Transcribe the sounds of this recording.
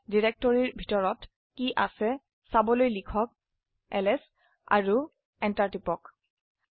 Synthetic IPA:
diɹɛk̚tɔɹiɹbʱitɔɹɔt | kiʔasɛ | sabɔlojlikʰɔk̚ | ɛlɛs | a̰ɹu | ɛntaɹtipɔk

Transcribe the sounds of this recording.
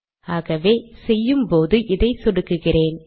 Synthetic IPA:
aːɣɐʋeːsɛjːɯmpoːðɯʔɪðɐɪsɔɽɯkːɯɣɪreːn

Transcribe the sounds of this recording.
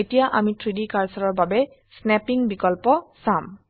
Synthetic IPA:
etijaʔamitʰɹidikaɹsɔɹɔɹbabɛ | snɛpiŋbikɔlpɔsam

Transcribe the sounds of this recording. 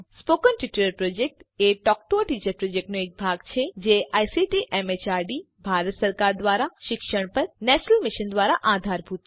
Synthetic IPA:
spokənʈiʈuləɾpɾod͡ʒek̚ʈeʈɔk̚ʈoʈit͡ʃəɾpɾod͡ʒek̚ʈnoek̚bʱaɡt͡ʃʰed͡ʒeʔajsiʈiʔɛmet͡ʃaɾɖi | bʱaɾət̪səɾkaɾd̪ʋaɾaʃɪkʃəɽ̃pəɾnɛʃənəlmɪʃənd̪ʋaɾaʔad̪ʱaɾbʱut̪

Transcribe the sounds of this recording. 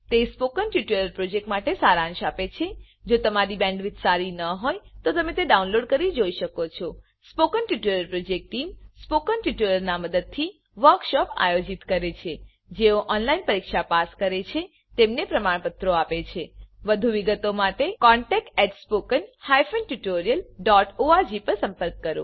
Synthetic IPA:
t̪espokənʈuʈeləɾpɾod͡ʒek̚ʈmaʈesaɾãŋʃapet͡ʃʰe | d͡ʒot̪əmaɾibɛ̃ɳɖʋɪt̪ʰsaɾinəɦojt̪ot̪əmẽt̪eɖaunloɖkəɾid͡ʒoiʃəkot͡ʃʰo | spokənʈuʈeləɾpɾod͡ʒek̚ʈʈimspokənʈiʈuləɾnaməd̪əd̪̚t̪ʰi | ʋəɾkʃɔpa̰jod͡ʒit̪kəɾet͡ʃʰe | d͡ʒeoʔɔnlainpəɾikʃapaskəɾet͡ʃʰe | t̪emnepɾəmaɳ̃pət̪ɾoapet͡ʃʰeʋəd̪ʱuʋiɡət̪omaʈekɔɳʈɛk̚ʈɛʈspokənhajfənʈuʈoɾijəlɖɔʈoad͡ʒipəɾsə̃mpəɾk̚ːəɾõ̰

